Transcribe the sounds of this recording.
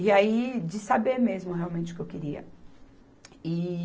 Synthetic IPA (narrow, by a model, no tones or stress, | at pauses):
iaid͡ʒɪsabeɾmezmʊhealwmẽnt͡ʃɪʊkewkɪɾiɐ̰ | ɪ